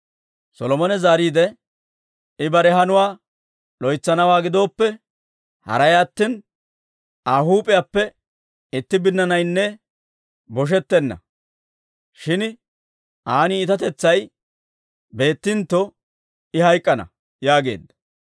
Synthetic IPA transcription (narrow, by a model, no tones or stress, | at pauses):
sɔlɔmɔnɛzaːɾiːd̪ɛ | ɪbɐɾɛɦɐnʊwaː | lɔjt͡sːɐnɐwaːɡɪd̪o̞ːpːɛ | hɐ̰ɾɐjaːt̪ːɪn | aːɦuːpʼɪjaːpːɛ | ɪt̪ːɪbɪnːɐnɐjnːɛ | bɔʃ̬ɛt̪ːɛnːɐ̰ | ʃɪn | ʔaːnɪːt̪ɐt̪ɛt͡sːɐj | be̞ːt̪ːɪnt̪ːɔ | ɪhɐjkʼːɐnɐ̰ | jaːɡe̞̰ːd̪ːɐ